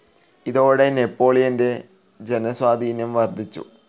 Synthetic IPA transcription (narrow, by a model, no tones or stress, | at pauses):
iðo̞ːɽe̞ne̞pːo̞ːɭijɐnde̞ | d͡ʑe̞nɐswaːd̪ʱiːnjɐmʋɐrd̪ʱit͡ɕːṵ